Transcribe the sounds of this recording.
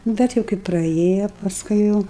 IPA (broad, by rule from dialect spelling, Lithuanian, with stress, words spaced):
ˈbʲɛt jɛʊ kɐɪ prɐˈeːjoː pɐsˈkʊɪ jɛʊ